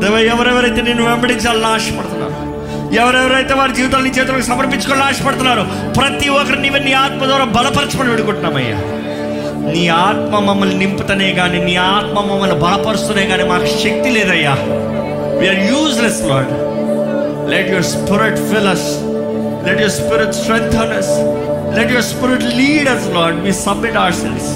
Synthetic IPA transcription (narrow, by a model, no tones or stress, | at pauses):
d̪ɐʋeːjɛʋɐɾɛʋɐɾɐjt̪eneːnːuʋɛmbɐɽiɲt͡ʃaːlɐnaːʂɐpɐɽt̪unːa̰ːɾu | ɛʋɐɾɛʋɐɾɐjt̪eːʋaːɾud͡ʒiːʋit̪aːlɐniːt͡ʃeʋt̪ulɐkusɐmɐɾpiɲt͡ʃukoːlnaːʂɐ̥pɐɽt̪unːaːɾu | pɾɐt̪iɔkɐɾiniːʋɐnːiːaːt̪̚mɐd̪ʋaːɾaːbɐlɐpɐɾɐt͡ʃɐpɐniʋiɽukuɳʈunaːmɐjːa̰ː | niːaːt̪mɐmɐmːɐlnimpit̪ɐneːɡaːniːniːaːt̪mɐmɐmːɐlibɐlɐpɐɾust̪unejɡaːniːmaːkɐʃɐk̚t̪ileːd̪ɐjːaː | ʋiːaːɾjuːd͡ʒlɐslɔːɾɖ | lɛʈjoɾspɪɾɪʈfilɐs | lɛʈjoɾspɪɾiʈsʈɾɛnt̪ʰɐnɐs | lɛʈjoɾspɪɾiʈliːɽɐslɔːɾɖʋiːsɐbmiʈɐwɐɾsɛ̰lʋs